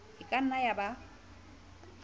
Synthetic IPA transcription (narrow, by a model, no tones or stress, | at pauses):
ɪkʼan̩ajaba